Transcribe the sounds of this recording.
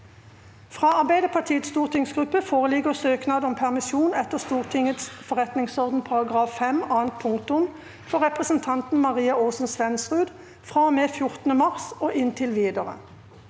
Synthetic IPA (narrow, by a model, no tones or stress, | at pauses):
fʁɑːɑʁbæɪd̪əpʰɑʁt̪ʰiːət̪st̪uːʁt̪ʰɪŋsɡʁʉpːəfoːʁəlɪɡəʁsøːknɑːd̪ɔmpʰæʁmɪsjuːnɛt̪əʁst̪uːʁt̪ʰɪŋət̪sfɔʁɛt̪nɪŋsɔʁd̪n̩pʰɑʁɑɡʁɑːfːɛmɑːnt̪̚pʰʊŋkt̪ʊm | fɔʁɛpʁəsnt̪ʰɑnt̪n̩mɑʁiːɑoːsn̩sʋɛnsʁʉːd̪ | fʁɑːmeːfjʊʁt̪nəmɑʁsoːʔɪnt̪ʰɪlʋiːd̪əʁə̰